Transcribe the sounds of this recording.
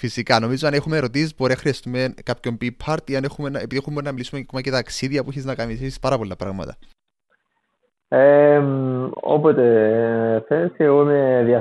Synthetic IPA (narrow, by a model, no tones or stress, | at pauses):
fisikɐno̞mizoɐnexumeɾo̞t̪isizboɾinɐxɾiɐst̪umekapço̞mbipʰɐɾt̪iɐnexumenɐepit̪ixumenɐmilisumeomɐcet̪ɐksiðiɐpuiçeznɐkɐnisisispɐɾɐpo̞lːɐpɾɐ̰ɣmɐ̰t̪ɐ̰ | emo̰pot̪e | θenseɣomeðiɐ